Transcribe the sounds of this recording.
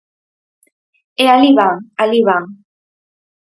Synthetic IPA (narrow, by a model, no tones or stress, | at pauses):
ealiβaaliβa